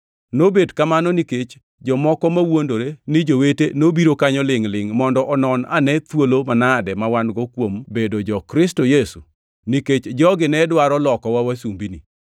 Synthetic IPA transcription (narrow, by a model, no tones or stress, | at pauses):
nobedkamanɔniket͡ʃ | d͡ʒɔmɔkɔmawondoɾenɪd͡ʒowetenobiɾokaɲɔlɪŋlɪŋmɔndɔʔɔnɔnanɛt̪wolomanadɛmawanɡɔkwombedod͡ʒɔkɾɪstojesu | niket͡ʃd͡ʒɔɡɪnɛdwaɾɔlɔkɔwawasumbinḭ